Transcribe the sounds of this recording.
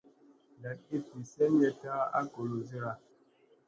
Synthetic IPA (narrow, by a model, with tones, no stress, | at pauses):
da˨t̚i˦pi˨sɛ˦njɛ˦ta˦a̰˦ko˨lo˨zi˦ɾa˨